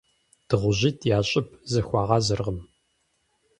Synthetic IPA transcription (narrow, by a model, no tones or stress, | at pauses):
d̥ɨʁʷʊʑiːtʰjaːɕʼɪp̚ʰzɐxʷɑːʁɑːzɐrʁəm